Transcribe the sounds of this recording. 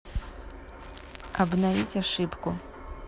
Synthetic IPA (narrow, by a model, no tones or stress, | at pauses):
abnavʲit͡sʲaʂɨpku